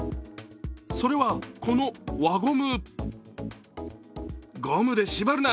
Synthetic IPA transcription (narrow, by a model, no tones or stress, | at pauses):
so̞ɾe̞βakʰo̞no̞βaɡomɯ | ɡomɯ̟d̪e̞ɕibaɾɯ̟na